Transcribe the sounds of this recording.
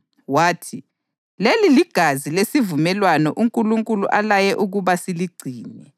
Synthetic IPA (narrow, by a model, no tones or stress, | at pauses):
waːtʰi | leliliɡ̥ʱazilesivumɛlwanɔʔuŋkʼuluŋkʼulṵʔalajɛʔuɣuβasiliɡ͡ǀʱiːnɛ